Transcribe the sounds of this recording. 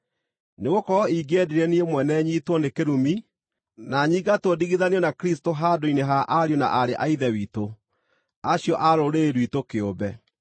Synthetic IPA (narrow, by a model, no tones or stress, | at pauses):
neɣokɔiɡɛdeɾɛniemwɛnɛɲiːtwɔnekeɾumi | naɲiːɡatwodiɣiðaneɔnakɾis̬toɦadoineɦaʔaɾjona̰ʔaɾeʔaiðɛwiːto | aɕjɔʔaɾoɾeːɾwitokeobɛ